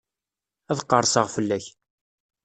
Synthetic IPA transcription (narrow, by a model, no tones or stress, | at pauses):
æðqːəɾˤsəʁfəlːæç